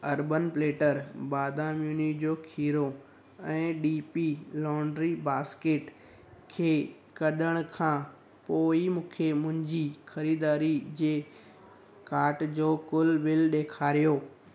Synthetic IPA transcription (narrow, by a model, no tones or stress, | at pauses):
ɐɾbənpleːʈəɾbaːd̪ʱãmjuːnikd͡ʑoːkʰiːɾo | ɛ̃ːɗiːpilɔːɳɖɾibaːskeːʈ | kʰeː | kɐɗəɽ̃ʊkʰãː | poːimũːkʰemʊ̃ɦɪ̃ɲd͡ʑixɐɾiːd̪aːɾid͡ʑeː | kaːɾʈd͡ʑoːkʊlʋɪlɗeːkʰaːɾijoː